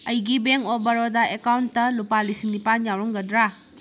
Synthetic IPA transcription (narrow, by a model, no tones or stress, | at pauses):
ɐjɡibeŋkobɐɾodaekawntːɐlupalisiŋnipanjawɾɔŋɡɐdɾa